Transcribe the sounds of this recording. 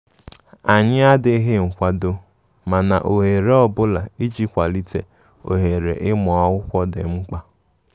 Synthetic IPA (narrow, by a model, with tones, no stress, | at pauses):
a˨ɲɪ˦a˦dɪ˨˦ɦe˦ŋ̩˨kʷa˦do˦ | ma˨na˨ʔo˨ɦe˨ɾe˦ɔ˦bʊ˦la˨i˦d͡ʒi˦kʷa˨li˦tḛ˨ | o̰˨ɦe˨ɾḛ˨ʔɪ˦mʊ˨a˦wʊ˦kʷɔ˦dɪ̰˨ŋ͡m̩˦k͡pa˦